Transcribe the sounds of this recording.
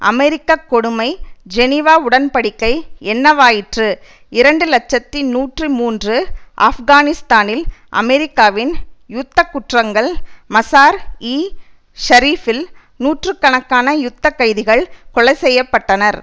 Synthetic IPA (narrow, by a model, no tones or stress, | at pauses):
ʔɐ̰mɛɾɪkːakːɔɽɯmɐɪd͡ʒɛnɪʋaːʊɽɐnpɐɽɪkːɐɪɛnːɐʋaːjɪʈrɯ | ɪɾɐɳɖɯlɐt͡ʃːɐt̪ːinuːʈrɯmuːndrɯʔa̰ːfɣaːnɪst̪aːnɪlʔɐ̰mɛɾɪkːaːʋɪnjʊt̪ːɐkːʊʈrɐŋɡɐɭmɐsaːɾiː | ʃɐɾiːfɪl | nuːʈrɯkːɐɳɐkːaːnɐjʊt̪ːɐkːɐɪðɪɣɐɭkɔɭɐɪsɛjːɐpːɐʈːɐnɐɾ